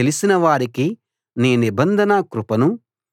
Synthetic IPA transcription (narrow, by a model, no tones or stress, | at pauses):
elisinɐʋaːɾiki | niːnibɐnd̪ʱɐnɐkɾupɐnu